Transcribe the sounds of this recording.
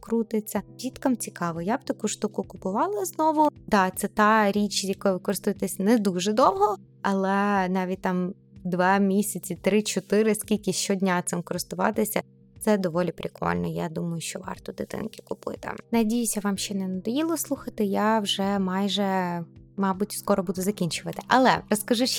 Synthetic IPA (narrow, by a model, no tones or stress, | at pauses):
kɾut̪ɪt͡sʲːɐɾʲit̪kɐmt͡sʲikɑʋɔjabt̪ɐkuʃt̪ukʊkʊpʊʋɑlˠɐznɔʋʊd̪ɑt̪sɛt̪ɑɾʲit͡ʃjɐkɔjʋɪkɔɾɪst̪ʊjɪt̪ɛsʲnɛd̪uʒɛd̪ɔwɦɔ | ɐlˠɛnɑʋʲit̚ʲt̪ɑm | d̪ʋɑmʲisʲɐt͡sʲit̪ɾɪt͡ʃɔt̪ɪɾɪskʲilʲkʲɪʃt͡ʃɔdʲnʲat̪sɪmkɔɾɪst̪ʊʋɑ̰t̪ɪsʲɐ | t̪sɛd̪ɔʋɔlʲipɾʲɪkʰɔ̰lʲnɔjad̪umɐjʊʃt͡ʃɔʋɑ̰rt̪ɔd̪ɪt̪ɪ̰nkʲɪ̥kʊpɪ̰t̪ɪ̰nɐdʲijɪsʲɐʋɑmʃt͡ʃɛnɛnɐd̪ɐjilˠɔslˠuxɐt̪ɪjawʒɛmɑjʒɛ | mɑbutʲskɔɾɔbud̪ʊzɐkʲinʲt͡ʃʊʋɐt̪ɪ̥ʔɐlˠɛ̰ɾɔskɐʒuʃ